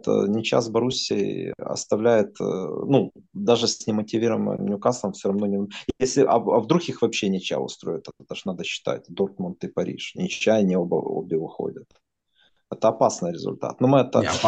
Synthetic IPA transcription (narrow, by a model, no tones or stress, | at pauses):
t̪nʲɪt͡ɕa̰sbɐɾusʲɪ̰ɐ̰st̪ɐvlʲæjɪt̪nud̪aʐɨsʲnʲɪmətʲɪvʲiɾʊvmə̰mnʲʊkasəmfsʲoɾɐvno̞nʲɪjesʲlʲɪʔɐ̰ɐvd̪ɾuxʲixvɐpɕːenʲɪt͡ɕæ̰jʊ̰st̪ɾo̞jɪt̪ɛt̪ə̥t̪aʂnad̪əɕːɪ̥t̪a̰t̚ʲd̪o̞rt̪mʊnt̪ɨpɐɾʲḭʂnʲɪt͡ɕːæjnʲɪobə̰o̰bʲɪvɨxo̰dʲət̪ | ɛt̪əɐpasnɨjɾʲɪzʊ̰lʲt̪a̰t̪nomɨɛt̪ə̰